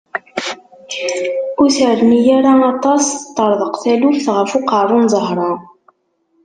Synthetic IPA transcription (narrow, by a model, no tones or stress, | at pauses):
uθəʕðnijæɾaɑt̪ˤɑst̪ˤːəɾˤðˤəqθælufθʁəfʊqaʕɾˤunzˤəɦɾˤɑ